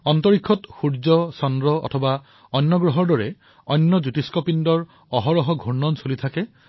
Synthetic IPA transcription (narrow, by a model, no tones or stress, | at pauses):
ɔnt̪ɔɹikʰːɔtxuɹd͡ʒɔsɔndɹɔɔ̰t̪ʰɔba | ɔnːɔɡɹɔɦɔɹdɔɹe | ɔnːɔd͡ʒut̪iskɔpindɔɹ | ɔɦɔɹɔɦɔɡʱuɹnɔnsolit̪ʰake